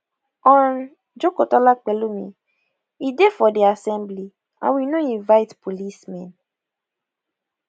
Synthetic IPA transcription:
ɔ̃n | d͡ʒokotɔlak͡pɛlumḭ | idefɔdiasɛ̃mbli | ã̰nwinoĩnvaɪtpʰolismɛ̃n

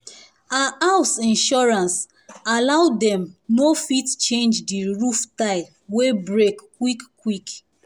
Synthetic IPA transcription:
aaʊsĩnʃɔɹãns | alaʊdɛ̃mnofitt͡ʃẽnd͡ʒdiɹuftaɪ | webɹekːwikː | wik

